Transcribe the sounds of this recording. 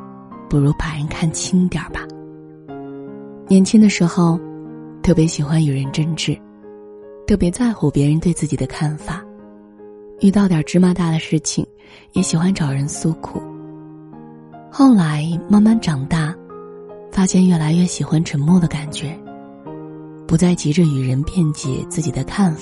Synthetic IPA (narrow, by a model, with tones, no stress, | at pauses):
pu˨˩ɻu˧˥pa˨˩ɻə˧˥nkʰa˥˩nt͡ɕʰi˥ŋt̪jɑ̰˞˨˩ba˦ | njɛ˨˩nt͡ɕʰi˥ŋd̪ə˨ʂɻ̩˧˥xo˥˧ʊ | t̪ʰɤ˥˩pjɛ˧˥ɕi˨˩xwa˥ny˨˩ɻə˧˥nʈ͡ʂə˥nʈ͡ʂɻ̩˥˩ | t̪ʰɤ˥˩pjɛ˧˥t͡sa˥˩ɪxu˧˩ʊpjɛ˧˥ɻə˧˥nt̪we˥˧t͡sɹ̩˥˩t͡ɕi˨˩d̪ə˦kʰa˥˩nfa˨˩˦ | y˥˧t̪ɑ˥˩ʊt̪jɑ˨˩ʈ͡ʂɻ̩˥ma˥t̪a˥˩d̪ə˩ʂɻ̩˥˩t͡ɕʰḭ˨˩ŋ | jɛ˧˥ɕi˨˩xwa˥nʈ͡ʂɑ˨˩ʊɻə˧˥nsu˥kʰṵ˨˩˦ | xo˥˩ʊla˧˥ɪma˥nma˥˩nʈ͡ʂɑ˨˩ŋt̪a˥˩ | fa˥ɕjɛ˥˧nɥɛ˥˩la˧˥ɪɥɛ˥˩ɕi˨˩xwa˥nʈ͡ʂʰə˧˥ŋmwɔ˥˩d̪ə˩ka˨˩nt͡ɕɥɛ˧˥ | pu˧˥t͡sa˥˩ɪt͡ɕi˧˥ʈ͡ʂə˧y˨˩ɻə˧˥npjɛ˥˩nt͡ɕɛ̰˨˩t͡sɹ̩˥˩t͡ɕi˨˩d̪ə˦kʰa˥˩nf